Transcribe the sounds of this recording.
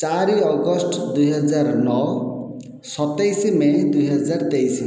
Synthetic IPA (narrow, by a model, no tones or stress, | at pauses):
t͡saɾiʌɡʌsʈʰd̪ujɦʌd͡zarnʌw | sʌt̪ːʌjsimed̪ujɦʌd͡zart̪ejs